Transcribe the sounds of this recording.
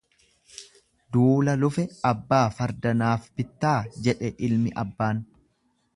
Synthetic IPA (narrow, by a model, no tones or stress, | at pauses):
d̪uːlɐlʊfɛɐbːaːfɐɾd̪ɐnaːfb̥ɪt̪ːaːd͡ʒɛᶑɛʔɪlmɪʔɐbːaːn